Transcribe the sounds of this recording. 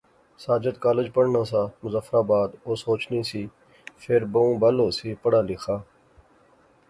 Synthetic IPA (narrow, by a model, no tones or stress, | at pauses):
saːd͡ʒət̪kaːləd͡ʒpəɽnãːsaːmʊzafɾaːbaːd̪oːsoːt͡ʃniːsiː | fʰeɾboũːbaloːsiːpəɽaːlɪxʰaː